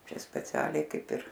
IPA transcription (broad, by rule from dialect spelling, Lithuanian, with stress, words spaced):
ˈt͡ʃʲɛ sʲpʲɛˈt͡sʲæːlʲɛɪ ˈkɐɪp ɪr